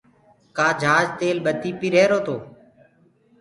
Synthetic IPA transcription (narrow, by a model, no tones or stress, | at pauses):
kaːd͡ʒʱaːd͡ʒt̪eːlɓət̪iːpiːɾeːɾoːt̪oː